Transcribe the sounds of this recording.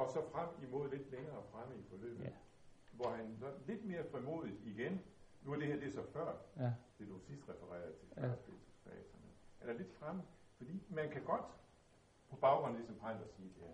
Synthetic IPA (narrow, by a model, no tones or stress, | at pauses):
ɒ̽sɒ̽fʁam̰imo̝ð̰ˠle̝d̥leŋɐːfʁaməifɒ̽lø̰ːb̥ð̩ˠ | ʋɒhænsɒ̽dle̝d̥me̝ːɐfʁimo̝̰ːð̞̰ˠid̥iɡ̥ennuæɐd̥e̝hæɐd̥e̝sɒ̽fɶɐ̰d̥e̝d̥usisd̥ʁɛfəʁɛ̰ːɐðˠt͡sʰe̝fæɐsb̥e̝lt͡sʰfɛ̰ːsʰɒnehænæɐle̝d̥fʁamə | fɒ̽d̥ḭːmænkʰæɡ̥ɒ̽d̥ | pʰɒ̽b̥ɑ̈ʊɡ̥ʁɔ̽n̩lisɒ̽mpʰʁɑ̈ɪ̰nd̥ɒsiːd̥e̝hæɐ̰